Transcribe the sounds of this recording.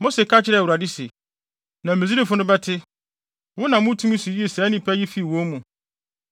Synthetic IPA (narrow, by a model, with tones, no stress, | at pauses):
mo˦se˨kʰa˦t͡ɕʰɪ˦ɾɛ˦˨u˨ɾa˨dɪ˦sḭ˨ | nã˨mẽ˨zi˦ɾi˦fʊ˦nʊ̃˦bɛ˦tʰɪ˦ | wʊ˦nã˨mʊ̃˦tʰũ˦mĩ˦su˨ji˦e˨sɛ˨˦nĩ˦pʰæ˦ji˦fi˦˨wõ˦mũ˨